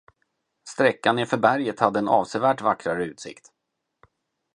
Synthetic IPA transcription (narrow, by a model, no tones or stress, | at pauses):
st̪ɾɛkːanɪfœɾbæɾjət̪had̪ːəɛnɑ̰ːvsɛvæːʈvakɾaɾəʉ̟ːt̪sɪ̰kt̪